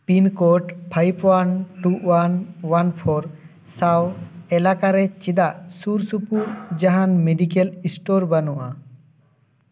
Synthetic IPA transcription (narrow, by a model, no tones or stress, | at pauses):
pinkɔʈpʰajpʰwanʈuwanwanpʰɔɾ | sawɛlakaɾɛt͡ʃid̪aʔsuɾsupuɾd͡ʒaɦanmeɖikɛlisʈɔɾbanuʔa̰